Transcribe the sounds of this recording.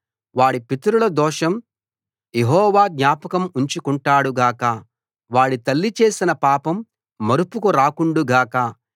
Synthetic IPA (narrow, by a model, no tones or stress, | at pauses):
ʋaːɽipit̪ɐɾulɐd̪ɔːʂɐm | jeɦɔːʋaːɡnɲaːpɐkɐmuɲt͡ʃukuɳʈaːɽuɡaːkɐ | ʋaːɽit̪ɐlːit͡ʃe̞ːsinɐpaːpɐmː | ɐɾupukuɾaːkuɳɖuɡaːkɐ